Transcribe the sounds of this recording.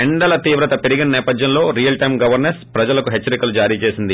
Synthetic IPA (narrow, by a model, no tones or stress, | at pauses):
ɛɳɖɐlɐt̪iːʋɾɐt̪ɐpe̞ɾiɡinɐnɛːpɐd̪jɐnlo̞ːɾijɐlʈɐjmɡɐʋɐɾnɐɾspɾɐd͡ʒɐlɐkuɦet͡ʃːɐɾikɐlud͡ʒaːɾiːt͡ʃe̞ːsind̪i